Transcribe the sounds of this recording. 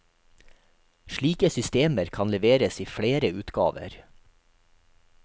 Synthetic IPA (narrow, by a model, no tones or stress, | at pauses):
ʃɭiːkəsʏst̪eːməɾkʰɑnlɛʋeːɾəsiːfɽeːɾəʉːt̪ɡɑ̰ːʋə̰ɾ